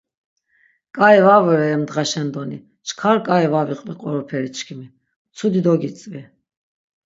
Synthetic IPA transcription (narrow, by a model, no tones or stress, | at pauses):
kʼaɛvavɛɾɛːmd̪ʁaʃɛnd̪ɔni | t͡ʃʰkʰaɾkʼaɛvaviqʼliqʼɔɾɔpʰɛɾit͡ʃʰkʰimi | t͡sʰud̪id̪ɔɡit͡sʼvi